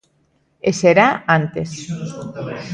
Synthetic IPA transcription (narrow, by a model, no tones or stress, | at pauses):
eseɾaant̪es